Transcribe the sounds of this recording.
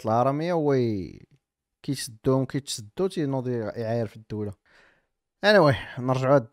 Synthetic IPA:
t̪əlhɑɾˤɑməjːawæj | kit̪səd̪ːumkæjt̪səd̪ːut̪inud̪ˤiʕajəɾfid̪ːuwla | ʔænæwænəɾˤʒʕæd̪

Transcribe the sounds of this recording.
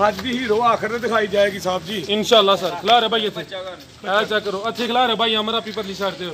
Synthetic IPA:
ɦad͡ʒd̪iːɦiːɾoːaːkʰəɾnẽd̪ɪkʰaːiːd͡ʒaːeːɡisaːb̚d͡ʒiːɪnʃaːəlːaːsəɾkʰəlaːɾɛːbʱaːiːət̪ʰːeː | ɛːt͡ʃakəɾoːət̪ʰːeːkʰlaːɾɛːbʱaːiːãːməɾaːpiːpəɾliːsaːɽt̪eːo

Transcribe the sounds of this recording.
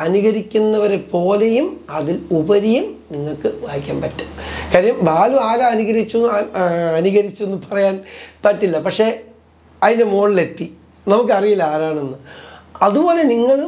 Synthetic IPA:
ɐnuɣɐɾikʲːunːɐʋɐɾepo̞ːle̞jumɐðilubɐɾijumniŋːɐɭkɨʋaːhikʲːa̰ːmpɐtːu̥mkaːɾijɐmbaːluaːɣaɐnuɣɐɾit͡ɕːu | ɐnuɣɐɾit͡ɕːuenːɨpɐrɐjaːnpɐtːilːɐpɐkʂe̞ | ɐðinemo̞ːɳile̞t̪ːi | nɐmukːɨɐrijilaːɾaːɳenːɨɐðubo̞ːle̞niŋːɐɭ

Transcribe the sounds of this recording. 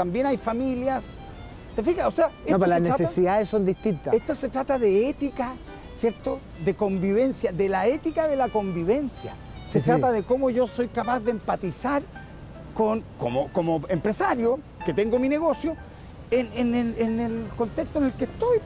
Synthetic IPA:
t̪ambje̞najfamiljas | t̪efixaoseaeotplaneɾasesiðaðesːond̪iht̪int̪aeht̪osetɾat̪aðeet̪ika | sje̞ɾt̪o | ðeko̞mbiβe̞nsjaðelaet̪ikaðelako̞mbiβe̞nsja | setɾat̪aðeko̞moʝo̞so̞jkapazðempat̪isaɾ | koŋkomokomoempɾe̞saɾjo | ket̪eŋɡomineɣo̞sjo | eneneenelko̞nt̪ekst̪oenelkest̪o̞j

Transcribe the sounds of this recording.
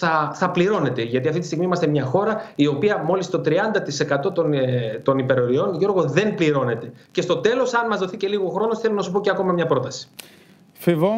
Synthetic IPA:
θɐθɐpliɾo̞ne̞t̪e̞ʝɐt̪iɐft̪it̪ist̪iɣmiimɐst̪e̞mɲɐxo̞ɾɐio̞piɐmo̞list̪o̞t̪ɾiɐnd̪ɐt̪ise̞kɐt̪o̞t̪ont̪o̞nipe̞ɾo̞ɾio̞nʝo̞ɾɣo̞ðe̞npliɾo̞ne̞t̪e̞ce̞st̪o̞t̪e̞lo̞sɐnmɐzðo̞θice̞liɣo̞xɾo̞no̞sθe̞lonɐsupo̞ceɐko̞mɐmɲɐpɾo̞t̪ɐsi̥ | fivo

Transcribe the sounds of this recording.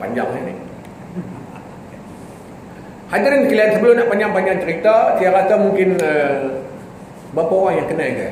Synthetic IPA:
pa̰ɲd͡ʒa̰ŋanɪ̰ | had͡ʒiɾənkiliansəbəlʊmnaʔpaɲd͡ʒaŋpaɲd͡ʒaŋt͡ʃəɾit̪at̪ijakat̪amuŋkɪnə | bapaowaŋjaŋkənãika

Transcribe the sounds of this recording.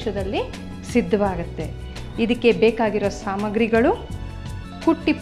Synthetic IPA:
ʃɐd̪ɐlːi | sid̪ʱːɐʋaːɡut̪ːe̞̰ | id̪ɐkːe̞beːkaːɡiɾosaːmɐɡɾiɡɐɭu | kuʈːip

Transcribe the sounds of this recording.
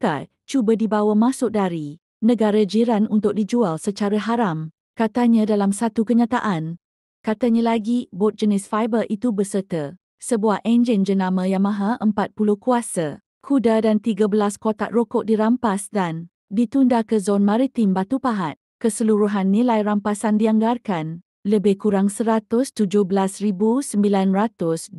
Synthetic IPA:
ka | t͡ʃubadibawamãsʊk̚daɾi | nə̃ɡaɾad͡ʒiɾanunt̪ʊk̚did͡ʒualsət͡ʃaɾaɦaɾam | kat̪aɲãdalamsat̪ukəɲãt̪aʔan | kat̪aɲãlaɡibɔt̪̚d͡ʒənɪsfajbəʔit̪ubəsərt̪ə | səbuahʔɛnd͡ʒənd͡ʒənãmə̃jaŋmãɦaʔəmpat̪̚pulʊhkuasa | kʰudadant̪iɡabəlaskot̪a̰ʔrokɔʔ̚diɾampasdan | dit̪undakəzɔnmãɾit̪ɪmbat̪upaɦat̪̚kəsəluɾuɦanːĩlajrampasandiaŋɡarkan | ləbɪhkuɾaŋsəɾat̪ʊst̪ud͡ʒʊhbəlasribusəmbilanrat̪ʊs

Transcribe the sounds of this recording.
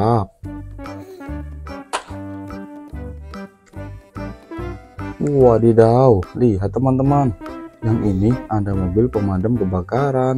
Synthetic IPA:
p̚ | wadidauliɦat̪ːəmant̪əmanjaŋʔiniandamobɪlpəmadəmkəbakaɾan

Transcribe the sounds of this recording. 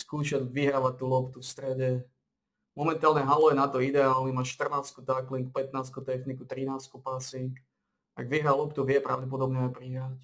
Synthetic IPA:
skuːʃaɟʋiɦɾaːʋac̚t̪uːlɔpt̪ufst̪ɾɛɟɛ | mɔmɛnt̪aːlɲɛɦalɔjɛnat̪ɔid̪ɛaːlnimaːʃt̪r̩naːskut̪akliŋk̚pɛt̪naːskut̪ɛxnikut̪ɾinaːskupasiŋk | a̰ɡʋiɦɾalˠɔpt̪uʋɪɛpɾaʊɟɛp̬ɔd̪ɔbɲɛaɪpɾiɦɾac

